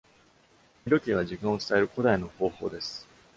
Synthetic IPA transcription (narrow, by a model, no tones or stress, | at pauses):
ɾʲo̞kʲiβ̞aʑikãɰ̃o̞t͡sɨ̥t̪ae̞ɾɯ̟ko̞d̪aino̞ho̞ːho̞ːd̪e̞sɨ̥